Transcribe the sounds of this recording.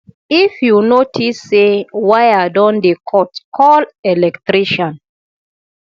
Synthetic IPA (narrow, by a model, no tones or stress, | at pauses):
ifjunotʰisːewajadɔ̃ndekʰɔtkʰɔlɛlɛktɹiʃɔ̃n